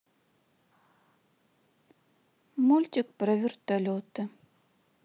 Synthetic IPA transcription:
mulʲtʲik̚ʼprɐvʲɪrtʰʼɐlʲotʰɐ

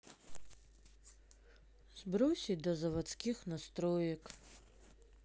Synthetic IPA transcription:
zbɾɔsʲid̪ɔzɐʋɐsʲkʲixnɐst̪ɾɔjɐk

